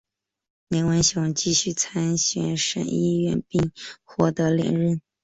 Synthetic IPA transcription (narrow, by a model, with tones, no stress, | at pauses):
me˧˥ɪwə˧˥nɕjʊ˧˥ŋt͡ɕi˥˧ɕy˥˩t͡sʰa˥nɕɥɛ˨˩nʂə̰˨˩ni˥˧ɥɛ˥˧npi˥˧ŋxwɔ˥˩t̪ɤ˧˥ljɛ̰˨˩nɻə˥˩n